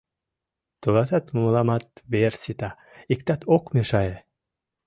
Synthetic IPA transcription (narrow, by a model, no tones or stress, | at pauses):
t̪ulat̪at̪mumlamat̪bersit̪a | ikt̪at̪okmeʃaje